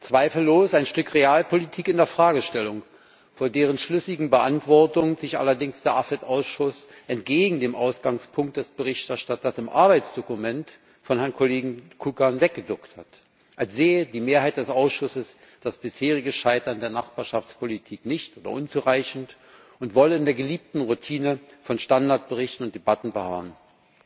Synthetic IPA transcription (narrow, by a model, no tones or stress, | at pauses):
t͡sv̥aɪfl̩ːoːsaɪnʃtʏkʁeaːlpʰolitʰiːkɪndeːɐfʁ̥aːɡəʃtɛlʊŋ | foːɐdeːʁ̞ənʃlʏsɪɡŋ̩bəʔantv̥ɔɐtʊŋzɪçʔa̰lɐdɪŋsd̥eːɐʔafɛtʔaʊsʃʊsʔɛntɡ̥eːɡŋ̩deːmʔaʊsɡ̥aŋspʰʊŋktd̥ɛsb̥əʁɪçtɛɐʃtatɐsɪmʔa̰ɐbaɪt͡sd̥okumɛnt | fɔnɦɛɐnkʰoleːɡŋ̩kʰukanvɛk̚ɡ̥ədʊkthat | ʔalsz̥eːədiːmeːɐɦaɪt̚d̥ɛsʔaʊsʃʊsəs | d̥asb̥ɪsheːʁɪɡəʃaɪtɐndeːɐnaχb̥aːɐʃaft͡spʰolitʰiːknɪçtʔoːdɐ̰ʔʊnt͡suʁaɪçn̩t | ʔʊntv̥ɔləɪndeːɐɡəliːp̚tn̩ʁutʰiːnəfɔnʃtandaɐt̚b̥əʁɪçtn̩ʊntd̥ebatn̩bəha̰ːn